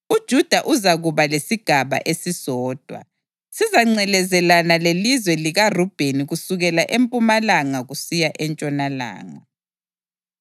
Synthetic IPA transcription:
ud̥ʒ̥ʱud̥ʱaʔuzaɣuβalesiɡ̥ʱaβa̰ʔesisɔːd̥ʱwa̰ | sizaŋ͡ǀɛlɛzɛlanalelizwɛliɣarub̥ʱeniɣusuɣɛlaʔempʼumalaŋaɣusijaʔɛnt͡ʃʼɔnala̰ːŋa

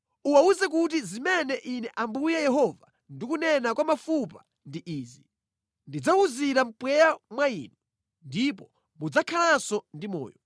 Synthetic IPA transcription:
uwauzɛk̬ut̬izimɛnɛʔinɛʔambujɛjɛɦɔva | ndikunɛnakwamafupa | ndiʔiːzi | ndid͡zauziɾam̩pwɛjamwaiːnu | ndipɔ | mud͡zakʰalasɔndimɔ̰ːjɔ

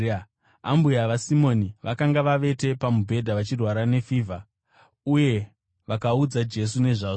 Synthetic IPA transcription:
a̰mbujaʋasimo̞niʋʔakaŋɡaʋaʋe̞te̞pamubʱe̞dʱaʋat͡ʃirwaɾane̞fiːvʱa | uje̞ | ʋakaud͡zad͡ʒe̞s̬une̞ʐaːʐo

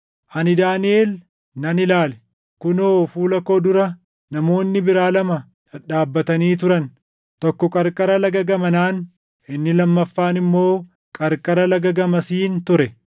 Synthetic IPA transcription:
ʔɐnɪd̪aːnɪe̞ːl | nɐnɪlaːlɛ | kʊnoːfuːlɐko̞ːd̪ʊɾɐ | nɐmo̞ːnːɪbɪɾaːlɐmɐ | ᶑɐᶑaːbːɐt̪ɐniːt̪̬ʊɾɐn | t̪ɔkːɔkʼɐɾkʼɐɾɐlɐɡɐɡɐmɐnaːn | ʔɪnːɪlɐmːɐfːaːnɪmːo̞ː | kʼɐɾkʼɐɾɐlɐɡɐɡɐmɐsiːnt̪ʊɾɛ

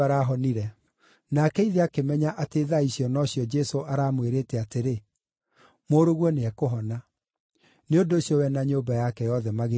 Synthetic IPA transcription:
aɾaɦɔniɾɛ | nakɛiðeakemɛɲaʔateðaisjɔnɔɕiɔd͡ʒɛsoʔaɾaːmweɾetɛateɾe | moɾoɣwɔneɛkoɦɔna | neondoːɕjɔwɛnaɲoːbajakɛjɔðɛmaɣe

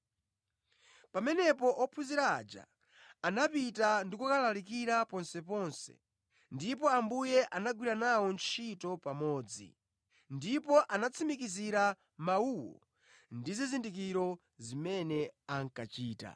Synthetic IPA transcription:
pamɛnɛpɔʔɔpʰuziɾa̰ːd͡ʒa̰ː | napitandikukalalikiɾapɔnsɛpɔnsɛ̰ | ndipɔambujɛʔanaɡwiɾanawɔnt͡ʃʰitɔpamɔːd͡zḭ | ndipɔʔanat͡sʰimikiziɾa | mauwɔ̰ | ndizizindik̬iɾɔ | zimɛnɛaŋkat͡ʃiːta̰

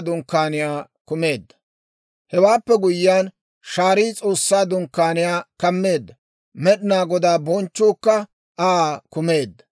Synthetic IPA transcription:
d̪ʊŋkːaːnɪjaː | kʊme̞ːd̪ːɐ̥ | hɛwaːpːɛɡʊjːɪjaːn | ʃaːɾiːt͡sʼo̞ːsːaːd̪ʊŋkːaːnɪjaːkɐmːe̞ːd̪ːɐ | mɛɗɪnaːɡɔd̪aːbɔnt͡ʃːʊːkːɐ | ʔaːkʊme̞ːd̪ːɐ̥

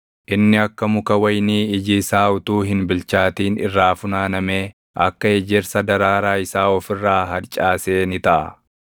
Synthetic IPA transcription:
ʔɪnːɪɐkːɐmʊkɐwɐjniːɪd͡ʒiːsaːʊt̪uːɦɪnbɪlt͡ʃaːt̪iːnɪ̰rːaːfʊnaːnɐmeː | ʔɐkːɐɛd͡ʒɛɾsɐd̪ɐɾaːɾaːɪsaːɔfɪrːaːɦɐɾt͡ʃʼaːseːnɪt̪ɐʔɐ̰

